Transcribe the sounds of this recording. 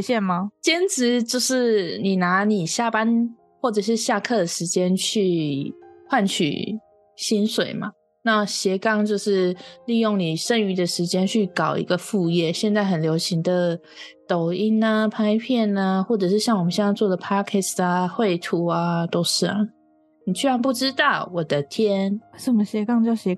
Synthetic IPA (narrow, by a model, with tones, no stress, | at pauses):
ɕjɛ˥˨nma˩t͡ɕjɛ˥nʈ͡ʂɻ̩˧˦t͡ɕjo˥˧ʊʂɻ̩˥˩ni˨˩na˧˥˦ni˨˩ɕja˥˩pa˦˥n | xwɔ˥˩ʈ͡ʂɤ˨˩ʂ̬ɻ̩˥˧ɕja˥˧kʰɤ˥˩d̪ə˩ʂɻ̩˧˥t͡ɕjɛ˥nt͡ɕʰy˥˩˧ | xwa˥˩nt͡ɕʰy̰˨˩ | ɕi˥nswe˨˩ɪma̰˩ | na˥˧˩ɕjɛ˧˥kɑ˥ŋt͡ɕjo˥˧ʊʂɻ̩˥˧li˥˧jo˥˩ŋni˨˩ʂə˥˧ŋy˧˥d̪ə˨˩ʂɻ̩˧˥t͡ɕjɛ˥nt͡ɕʰy˥˩kɑ˨˩ʊḭ˧˥ɡə˧fu˥˧jɛ˥˩ɕjɛ˥˧nt͡sa˥˩ɪxə˨˩nljo˧˥ʊɕi˧˥ŋd̪ə˨ | t̪o˨˩ʊi˥nə˧pʰa˥ɪpʰjɛ˥˨nə˩xwɔ˥˩ʈ͡ʂɤ˨˩ʂɻ̩˥˧ɕjɑ˥˩ŋwɔ˨˩mə˨nɕjɛ˥˧ɑ˥˧t͡swɔ˥˩d̪ə˩pʰa˥kʰɛ˥˩sa˩xwe˥˩ɪt̪ʰu˧˥a˧t̪o˥ʊʂɻ̩˥˩ma˨˩ | ni˨˩t͡ɕʰy˥a˧˦npu˥˩ʈ͡ʂɻ̩˥t̪ɑ˥˩ʊwɔ˨˩d̪ə˦t̪ʰjɛ˦˥nʂə˨˩mə˦ɕjɛ˧˥kɑ˥˧ŋt͡ɕjɑ˥˩ʊɕɛ˧˥